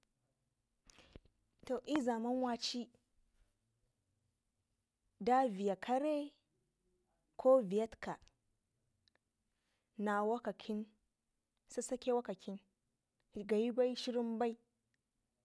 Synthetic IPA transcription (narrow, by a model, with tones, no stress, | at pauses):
to˨ʔi˦za˨mɐ˦nwaː˦t͡ʃi˦ | da˦vi˨ja˨kʰɐ˦ɾe˦ | kʷʰoː˦vi˨ɐ˦tkʰa˨ | na˨wa˦ka˨kʰʲɪ˦n | sa˦sɐ˦kʲe˦wa˦kɐ˨kʰʲɪ˦n | ɡa˨ji˦ba˦jʃɪ˦ɾɪ˦mba˦j